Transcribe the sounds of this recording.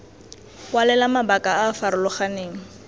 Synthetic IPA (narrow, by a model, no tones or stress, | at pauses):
walɛlamabakʼaafaɾʊlʊχaneːŋ̩